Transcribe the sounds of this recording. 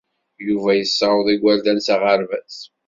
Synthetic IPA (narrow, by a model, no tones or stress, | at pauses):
juvæjəsːɑɾəðˤiɡʷæld̪ænsaʁəɾvæs